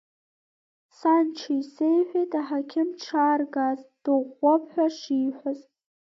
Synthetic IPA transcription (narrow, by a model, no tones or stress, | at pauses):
sant͡ʃʰaisejħʷᶣejtʼaħakʲʰɪmʈ͡ʂʰaːrɡazd̥ɨʁʷːapʰħʷᶣaʂiːħʷaz